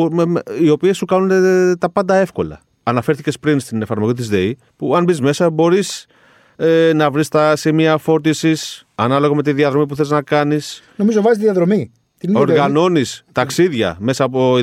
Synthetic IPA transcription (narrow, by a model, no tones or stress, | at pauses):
meio̞pie̞sːukɐnunet̪ɐpɐnd̪ɐe̞fko̞lɐ̰ | ɐnɐfe̞ɾθice̞spɾinst̪ine̞fɐɾmo̞ʝit̪̬izðe̞i | puɐnbizme̞sɐbo̞ɾis | enɐvɾist̪ɐsimiɐfo̞ɾt̪isisɐnɐlo̞ɣome̞t̪iðiɐðɾo̞mip̬uθe̞znɐkɐnisnomizovɐzit̪iðiɐðɾomi | t̪io̞ɾɣɐno̞nist̪ɐksiðʝɐ̰me̞sɐːpo